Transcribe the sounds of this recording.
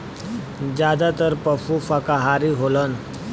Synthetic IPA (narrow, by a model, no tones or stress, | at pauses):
d͡ʑjad̪at̪əɾpəfufakaɦaɾiɦolən